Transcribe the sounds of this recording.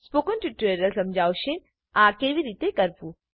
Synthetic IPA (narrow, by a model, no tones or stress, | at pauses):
spoːkənʈiʈːeɾəlsɐmd͡ʒʱaːwʃẽ | aːkeʋiɾiːt̪ekəɾpu